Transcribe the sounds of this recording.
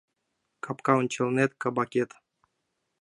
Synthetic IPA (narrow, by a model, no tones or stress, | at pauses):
kʰapkawnt͡ɕelˠnet̪̚kabakʲet̪